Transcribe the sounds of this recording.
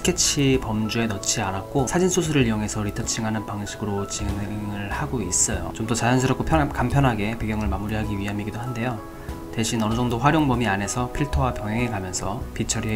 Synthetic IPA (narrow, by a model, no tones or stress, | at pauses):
kʰet͡ɕʰipʌmd͡ʑue̞nʌt͡ɕ͈ʰianak̚k͈osʰad͡ʑinsʰus̬ʰuɾɯɭijoŋe̞sʰʌɾitʰʌt͡ɕʰiŋɦanɯnpaŋɕʰiɡɯɾot͡ɕiŋŋɯɭhaɡois͈ʌjo̰t͡ɕomdʌt͡ɕajʌns̬ʰɯɾʌk͈opʰjʌkampʰjʌnɦaɡe̞pe̞ɡjʌŋɯɭmamuɾiɦaɡiɥiɦamiɡidoɦande̞jo | te̞ɕʰinʌnɯd͡ʑʌŋdoɸwaɾjoŋbʌmiane̞sʰʌpʰiɭtʰowapjʌŋɦjʌŋekamjʌnsʰʌpit͡ɕʰʌɾie